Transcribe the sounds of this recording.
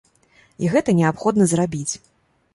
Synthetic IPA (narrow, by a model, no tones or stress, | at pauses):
iɣɛt̪ɐnʲɛapxɔd̪nɐzrabʲit͡sʲ